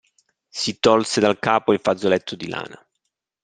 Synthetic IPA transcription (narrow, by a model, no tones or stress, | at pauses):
sit̪ɔlsed̪alkaːpoiɱfad̪zolɛt̪ʰːod̪ila̰ːna̰